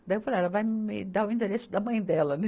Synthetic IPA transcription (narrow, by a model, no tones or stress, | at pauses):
d̪ɐewfaleɛlɐvajmmɪd̪aɾʊĩnt̪eɾesʊd̪ɐmɐ̃j̃d̪ɛlɐnɛ